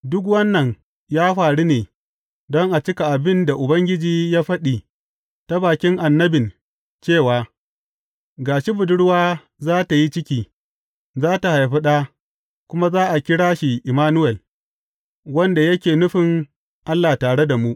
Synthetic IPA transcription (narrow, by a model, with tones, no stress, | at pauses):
dʊ˦k̬wɐ˦nːɐ˨ŋ | jaː˦ɸaː˨ɽi˦neː˨ | dɔ˦ŋʔa˨t͡ʃɪ˦ka˨ʔa˨bɪ˦nda˨ʔʊ˨bɐ˦ŋɡʲɪ˦d͡ʒiː˦jaː˦ɸɐ˦ɗiː˨ | ta˦baː˨kʲɪ˦ŋʔa˨nːɐ˦bɪ˨n | t͡ʃeː˦˨waː˨ | ɡaː˨ʃi˦bʊ˨dʊ˦ɽwaː˦ | zaː˦ta˨ji˦t͡ʃɪ˦kʲiː˨ | zaː˦ta˨ha˨jɸɪ˦ɗaː˦ | kʷʊ˦ma˦zaː˦ʔa˨kʲɪ˦ɽaː˦ʃi˨ʔɪ˨maː˦nʊ˦wɛ˨l | wɐ˦nda˨jɐ˦kʲeː˨nʊ˦ɸɪ˨ŋ | ʔa˦lːaː˨taː˨ɽe˦da˨mu˦ʔ